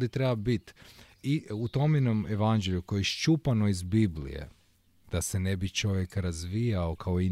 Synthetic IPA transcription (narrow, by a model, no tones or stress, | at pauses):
d̪it̪ɾebabit̪ | iut̪o̞mjenomeʋand͡ʒeʎʲukojeʃt͡ʃupanoizbiblḭjḛ | d̪̥ase̞nebit͡ʃo̞ʋje̞kaɾazʋijaokʰaoi